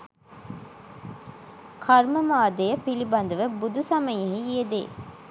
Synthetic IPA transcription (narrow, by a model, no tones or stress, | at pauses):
kʰɐɾməmaːd̪ejəpilibɐnd̪ɐʋebud̪usɐmɐjeɦied̪ḛː